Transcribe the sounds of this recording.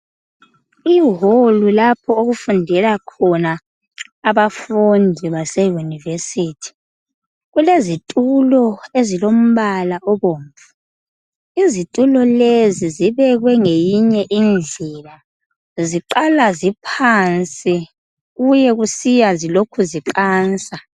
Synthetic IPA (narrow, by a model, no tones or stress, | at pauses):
iːɦolulapʰɔoɣufundʱɛlakʰɔnaː | βafundʱiβasɛjunivesitʰi̥ | ɣulezitʼulɔezilom̩βalaʔɔβoːɱvu | izitʼulɔleziziβɛɣwɛŋejiɲɛʔind͡ɮʱɛla | ziǃalazipʰant͡sʼi | ɣujɛɣusijazilokʰuziǃaːnt͡sʼa